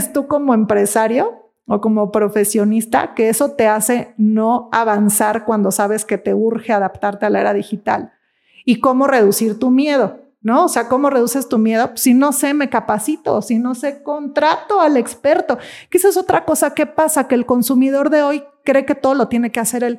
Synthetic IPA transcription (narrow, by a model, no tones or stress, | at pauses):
st̪uko̞mo̞empɾe̞saɾjo̞ | oko̞mo̞pɾo̞fe̞sjo̞nist̪a̰ke̞eso̞t̪e̞ase̞no̞aβansaɾkwand̪o̞saβ̞e̞ske̞t̪e̞uɾxe̞aðapt̪aɾt̪e̞alae̞ɾaðixit̪a̰l | iko̞mo̞re̞ðusiɾt̪umje̞ð̞o̞ | no̞oseako̞moreðusest̪umje̞ð̞o̞sino̞se̞me̞kapasit̪o̰sino̞se̞ko̞nt̪ɾat̪o̞ale̞kspe̞ɾt̪o̞kisaso̞t̪ɾako̞sake̞pasakeːlko̞nsumiðoɾðe̞o̞jkɾe̞ke̞t̪o̞ðolo̞t̪je̞ne̞ke̞ase̞ɾel